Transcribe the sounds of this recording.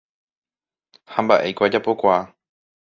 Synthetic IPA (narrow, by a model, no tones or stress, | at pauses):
hãmbaʔe̞jkʷad͡ʒapo̞kʷaa